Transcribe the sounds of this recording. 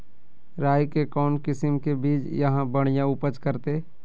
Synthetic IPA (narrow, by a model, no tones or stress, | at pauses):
ɾaːjkekɔːnkɪsəmkebiːt͡ʃjɐɦãbəɽ̃ijãʊpət͡ʃkəɾt̪eː